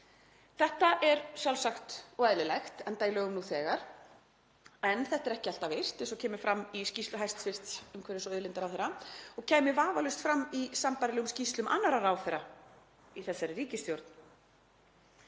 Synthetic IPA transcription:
θɛht̪aʔɛɾsjawlsaxt̪ɔɛðlɪlajxt̪ɛnt̪aːjlœɣʏmnuθɛːɣaɾ̥ | ɛnθɛht̪ɛɾɛhcɪal̥t̪avejr̥t̪ɛsɔcʰɛːmʏfɾamːiscist̪lʏɦajst̪sfɪr̥t̪ʏmkʰvɛɾɪsɔœðlɪnt̪aɾawθɛɾaɔɣcʰɛːmɪvaːvalʏst̪fɾamːisampaɾɪlɛɣʏmscist̪lʏmʔa̰nːaɾaɾawθɛɾːa | iθɛsːaɾriːcɪst̪jowɾt̪n

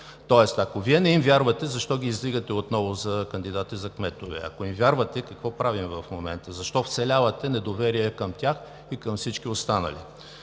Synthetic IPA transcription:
t̪ɔɛst̪ɐkoviɛnɛimvʲjaɾvɐt̪ɛzɐʃt̪ɔɡʲiːzd̪iɡət̪ɛot̪nɔvʊzɐkɐnd̪id̪at̪izɐkmɛt̪ovɛ̰ɐ̰koimvʲjaɾvɐt̪ɛkɐkvɔpɾavimvɐfmomɛ̰nt̪əzɐʃt̪ɔft̪sɛlʲavɐt̪ɛnɛd̪ovɛɾiɛkəmt̪ʲax | ikəmfsit͡ʃkiost̪anə̰lḭ

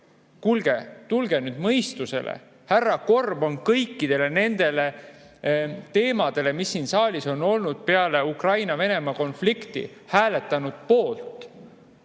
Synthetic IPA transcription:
kulɡ̥e̞t̪ulɡ̥e̞nyːd̪̥mɤjst̪use̞̰lḛ | hærːɑko̞rbo̞nkɤjkːid̪̥e̞le̞ne̞nd̪̥e̞le̞ | t̪e̞ːmɑd̪̥e̞le̞misːiːnsɑːlʲiso̞no̞lnud̪̥̚pe̞ɑle̞ukrɑjnɑve̞ne̞mɑko̞nflikt̪ḭhæːle̞t̪ːˑɑnud̪̥̚po̞ːlt̪ˑ

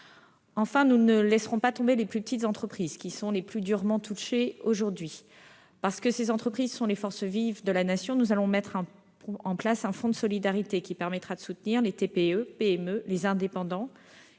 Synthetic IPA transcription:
ɑ̃fɛ̃nunəlɛsʁɔ̃pat̪ɔ̃beleplypət̪it̪zɑ̃t̪χəpχizkʲisɔ̃leplyd̪yʁmɑ̃t̪ʰuʃeoʒuʁd̪ɥi | paʁsə̥kəsezɑ̃t̪χəpχizsɔ̃lefɔʁsvivd̪əlanasjɔ̃nuzalɔ̃mɛt̪χɑ̃ | ɑ̃plasɛ̃fɔ̃d̪əsɔlid̪aʁit̪ekʲipɛʁmɛt̪χad̪əsut̪niʁlet̪epeøpeɛmølezɛ̃d̪epɑ̃d̪ɑ̃

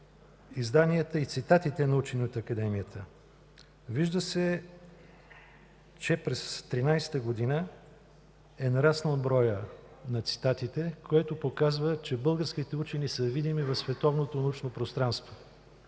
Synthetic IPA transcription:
izd̪aniət̪əit̪sit̪at̪it̪ɛnɐut͡ʃɛnʲiot̪ɐkɐd̪ɛmiət̪ʰə | viʒd̪əsɛ | t͡ʃɛpɾɛst̪ɾinajsɛ̥t̪əɡod̪inə | ɛnɐɾasnəlˠbɾɔjənɐt̪si̥t̪at̪it̪ɛkʰoɛt̪opokazvət͡ʃɛbɤlˠɡəɾskit̪ɛut͡ʃɛnisəvid̪imivɐfsvɛt̪ɔvnot̪onɐut͡ʃnopɾost̪ɾanst̪vo

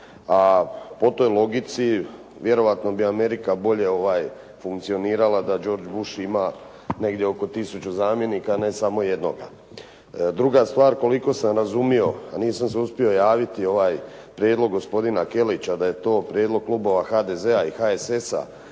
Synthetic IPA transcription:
apo̞t̪o̞jlˠo̞ɡit̪si | ʋje̞ɾo̞ʋat̪no̞biame̞ɾikabo̞ʎe̞o̞ʋaːj | fuŋk̚t̪sio̞niːɾalˠad̪ad͡ʑo̞ːɾd͡ʑbuʃima | ne̞ɡd̪jeo̞ko̞t̪isut͡ɕuzaːmje̞niːkane̞samo̞je̞d̪no̞̰ɡa̰ | d̪ɾuɡast̪ʋaːɾko̞liko̞samɾazumio̞aniːsamseuspio̞jaːʋit̪io̞ʋaːj | pɾjeːd̪lˠo̞ɡːo̞spo̞d̪inake̞lit͡ɕad̪aje̞t̪o̞ːpɾjeːd̪loɡ̚klˠubo̞ʋaxaːd̪eze̞aixaese̞sa̰

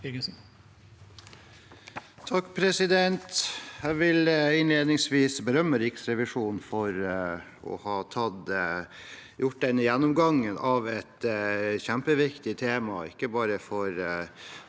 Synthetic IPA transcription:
ɪɡəsn̩ | t̪ʰɑkːpʰɾɛsɪd̪ɛnt̪jæʋɪlɪnleːd̪nɪŋsʋiːsbəɾœmːəɾɪksɾɛʋɪʂuːnfɔɾɔ̰hɑːt̪ʰɑd̪ | jʊʈ̚ːd̪ɛnːəjɛnːɔmɡɑŋːənʔɑʋɛt̪çæmpəʋɪkt̪ɪt̪ʰeːmɑɪ̰kːəbɑːɾəfɔɾ

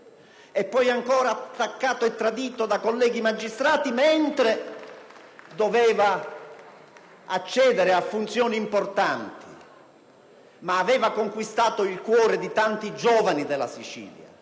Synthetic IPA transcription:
ɛpːɔjaŋkɔːɾaːt̪ːakːaːt̪oɛt̪ːɾad̪iːt̪od̪akolːɛːɡimad͡ʒːist̪ɾaːt̪iment̪ɾe | d̪ovɛːva | at͡ʃːɛːd̪ɛɾɪafːunt̪sjɔːniːmport̪ant̪i̥ | maːvɛːvakoŋkwist̪aːt̪oilkwɔːɾɪd̪it̪ant̪id͡ʒɔːvanid̪ɛlːa̰sit͡ʃḭːlja̰

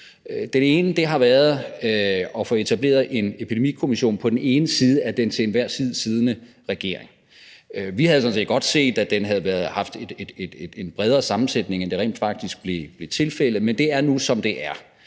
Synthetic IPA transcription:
d̥ene̝ːnəd̥e̝ɦɑ̈ʋæːɐð̞ˠ | ɒ̽fɒ̽e̝t͡sʰæb̥le̝̰ːɐð̩ˠe̝nepʰid̥e̝mḭkʰo̝miɕo̝̰ːnpʰɒ̽d̥ene̝ːnəsiːð̞ˠəæd̥ent͡sʰe̝enʋæɐ̰siːð̞ˠəsiːð̞ˠnə | ʁɛɡ̥e̝̰ɐeŋ | ʋihæð̞̩ˠsɔ̽nsḛːd̥ɒ̽d̥se̝̰ːd̥æd̥enɦæð̞̩ˠʋæɐðˠhɑ̈fd̥e̝̥e̝d̥ed̥ed̥enb̥ʁɛð̞ˠʁɐsɑ̈mn̩sed̥ne̝ŋend̥e̝ʁḛnd̥fɑ̈ɡ̥̚d̥isɡ̥̚b̥le̝b̥le̝t͡sʰe̝lfel̰əð̩ˠmend̥e̝æɐnusɒ̽md̥e̝ʔæɐ

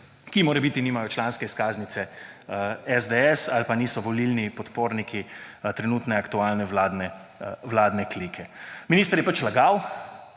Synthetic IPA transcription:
kimoːɾɛbiːt̪iniːmajɔt͡ʃlanskɛiskaːznit̪sɛ | ɛzd̪ɛɛsalpaniːsɔʋɔlilnipɔt̪poːɾnikʰit̪ɾɛnuːt̪nɛakt̪uaːlnɛʋlaːd̪nɛʋlaːd̪nɛkliːkʰɛminiːst̪əɾjɛpat͡ʃlaɡaw

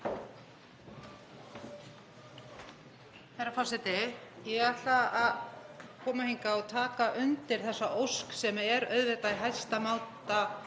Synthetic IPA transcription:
θajɾafasɛt̪ɪjɛɣat̪aaðkʰɔːmahiŋkaɔɣt̪ʰaːkaʔʏnt̪ɪɾ̥θɛsːaʔowsksɛmɛɾœɥðvɛt̪aiɦajst̪amawt̪a

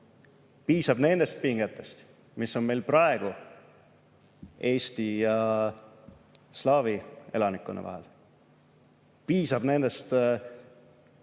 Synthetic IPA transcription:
piːsɑb̥ne̞nd̪̥e̞st̪̚piŋɡ̥et̪ːˑe̞st̪ | misːo̞nme̞jlprɑe̞ɡ̥u | e̞ːst̪ijɑ | slɑːvie̞̰lɑnikːˑṵnḛʔɑ̰ɦe̞̰l | piːsɑb̥ne̞nd̪e̞st̪

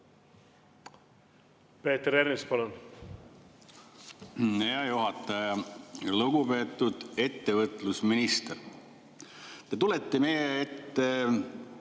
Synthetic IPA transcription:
peːt̪eɾeɾnispɑlon | eɑjuɦɑt̪ːˑɑjɑluɡupe̞ːt̪ːˑud̪̥e̞t̪ːe̞vɤt̪ˑlusminist̪er | t̪et̪ulet̪ːemejeet̪ːe

